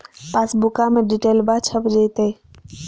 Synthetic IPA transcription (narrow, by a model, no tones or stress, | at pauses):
pasbukameɖiʈelbat͡ʃʰəpd͡ʒəjt̪e